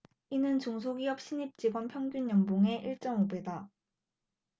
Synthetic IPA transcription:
inɯnt͡ɕoŋs̬ʰoɡiʌp̚ɕ͈ʰiɲip̚t͡ɕ͈iɡwʌnpʰjʌŋɡjuɲjʌmboŋe̞ʔiɭt͡ɕ͈ʌmobe̞da

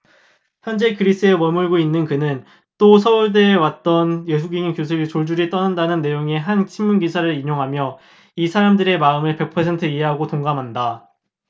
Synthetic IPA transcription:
çjʌnd͡ʑe̞kɯɾis͈ɯemʌmuɭɡoinːɯnkɯnɯn | t͈osʰʌuɭdeːwat̚t͈ʌnje̞sʰuɡiŋinkjos̬ʰɯit͡ɕoɭd͡ʑuɾit͈ʌnandanɯnːe̞joŋe̞ɦant͡ɕʰinmunɡisʰaɾɯɾiɲoŋɦamjʌ | isʰaɾamdɯɾe̞maɯmeɭpe̞k̚pʰʌsʰe̞ntʰɯiɦe̞ɦaɡotoŋɡamɦanda

